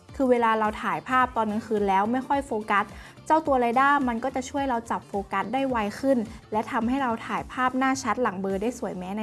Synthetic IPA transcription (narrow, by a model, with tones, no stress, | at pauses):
kʰɯː˧weː˧laː˧ɾa˧wt̪ʰaː˨˩˦jpʰaː˥˩p̚t̪ɔː˧nːɯ˧˥ŋkʰɯː˧nlɛː˦˥wma˥˩jkʰɔ˥˩jfoː˧ka˦˥t̪̚ | t͡ɕa˥˩wt̪u˧ɐɾa˧jdaː˥˩ma˧nkɔː˥˩t͡ɕa˨˩t͡ɕʰu˥˩əjɾa˧wt͡ɕa˨˩p̚foː˧ka˦˥t̪̚daː˥˩jwa˧jkʰɯ˥˩nlɛ˦˥t̪ʰa˧mɦa˥˩jɾa˧wt̪ʰaː˨˩˦jpʰaː˥˩p̚naː˥˩t͡ɕʰa˦˥t̪̚la˩˦ŋbɤː˧daː˥˩jsu˨˩˦əjmɛ˦˥na˧